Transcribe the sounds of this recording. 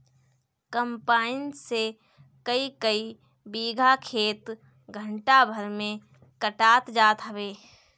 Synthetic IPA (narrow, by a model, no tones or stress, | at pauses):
kəmpaːɪnse | kəikəi | biːɡʱakʰeːt̪ | ɡʱə̃ɳʈabʱəɾmẽ | kəʈaːt̪d͡ʒaːt̪ɦɐʋeː